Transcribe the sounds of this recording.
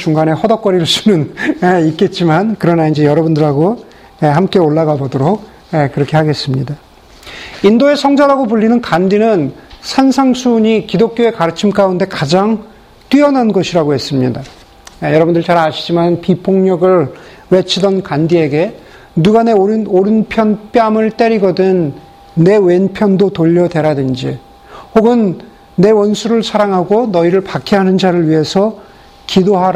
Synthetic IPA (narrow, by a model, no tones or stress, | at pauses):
t͡ɕuŋɡane̞hʌdʌk͈ʌɾiɭs͈unɯneit̚k͈e̞t̚t͡ɕ͈imankɯɾʌnaind͡ʑe̞jʌɾʌbundɯɾaɡo | eɦamk͈e̞oɭːaɡabʌdoɾok̚ | ekɯɾʌkʰehaɡe̞s͈ɯmɲida | indoe̞sʰʌŋd͡ʑaɾaɡopuʎːinɯnkandinɯnsʰansʰaŋsʰuɲikidok̚k͈joe̞kaɾɯt͡ɕʰimk͈aunde̞kad͡ʑaŋ | t͈ɥiʌnanɡʌɕʰiɾaɡohe̞s͈ɯmɲida | jʌɾʌbundɯɭt͡ɕaɾaɕʰi̥d͡ʑimannpipʰoŋɲʌɡɯɭ | we̞t͡ɕʰidʌnkandie̞ɡe̞ | nuɡane̞ɾnoɾɯnpʰjʌnp͈jamɯɭt͈e̞ɾiɡʌdɯnː | e̞we̞npʰjʌndotoʎːʌdwe̞ɾadɯnd͡ʑi | hoɡɯnː | e̞wʌnsʰuɾɯɭsʰaɾaŋɦaɡonʌiɾɯɭpakʰiɦanɯnd͡ʑaɾɯɭɥiɦe̞sʰʌ | kidoɦaɾ